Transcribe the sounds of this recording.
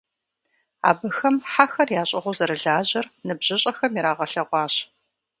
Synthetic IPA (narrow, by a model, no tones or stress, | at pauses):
a̰ːbɨxɐmħaxɐrjaːɕʼɐʁʷʊzɐɾɨɮaːʑɐrnɨbʑ̥ɪɕʼɐxɐmiɾaːʁɐɬɐʁʷɑːɕ